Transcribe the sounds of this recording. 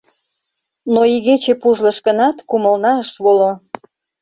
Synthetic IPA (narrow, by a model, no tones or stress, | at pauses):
noiɣet͡ɕepuʒlə̆ʃkənɑt̪kuməlnɑəʃβolo